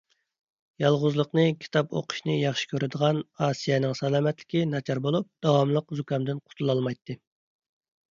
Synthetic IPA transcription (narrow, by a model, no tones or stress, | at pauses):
jɑlˠʁʊzlˠəqnɨkʲʰi̥t̪ʰɑpo̰qʰʊ̥ʃnɨjɑχʃi̥kʲʰøɾɪd̪əʁɑnɑːsijɛnɪŋsɛlˠɑːmɛt̪lɪ̥kʲinɑt͡ʃʰɑɾbolˠup̚d̪̥ɑwɑmlˠəqzukɑmd̪ɨnqʰʊ̥t̪ʰulˠɑlˠmɑjt̪ːɨ